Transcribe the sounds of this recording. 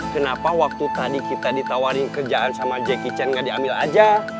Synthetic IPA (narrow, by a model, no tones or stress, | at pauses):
kənapawak̚t̪ut̪adikit̪adit̪awaɾɪŋkərd͡ʒaʔansamad͡ʒɛkit͡ʃɛnŋadiamila̰d͡ʒa